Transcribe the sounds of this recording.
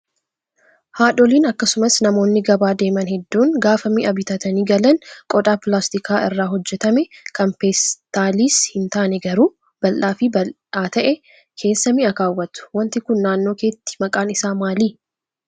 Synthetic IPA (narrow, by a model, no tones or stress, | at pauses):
haːᶑɔliːnɐkːɐsʊmɐsnɐmo̞ːnːɪɡɐbaːd̪e̞ːmɐnhɛd̪ːuːŋɡaːfɐmiːʔɐbɪt̪ɐt̪ɐniːɡɐlɐnkʼɔᶑaːpɪlaːst̪ɪkʰaːʔɪ̰rːaːɦɔd͡ʒːɛt̪ɐmɛkɐmpeːst̪aːliːshɪnt̪aːnɛɡɐɾuː | b̥ɐlʔaːfɪbɐl | aːt̪ɐʔɛ | kʰe̞ːsːɐmiːɐkaːwːɐt̪ʊ̥wɐnt̪ɪkʊnːaːnːo̞ːke̞ːt̪ːɪ̥mɐkʼaːnɪsaːmaːliː